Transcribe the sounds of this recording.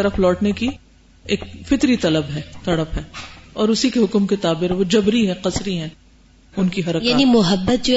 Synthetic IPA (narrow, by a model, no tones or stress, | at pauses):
t̪ɐɾəflɔːʈneki | eːk̚fɪt̪ɾit̪ɐləbɦɛːt̪ɐɽəpɦɛːɔːɾʊsikeɦʊkmket̪aːbɪɾʋod͡ʒɐbɾiɦɛ̃qɐsɾiɦɛ̃ː | ʊnkiɦɐɾəkjaːnimʊɦəbːət̪̚d͡ʒo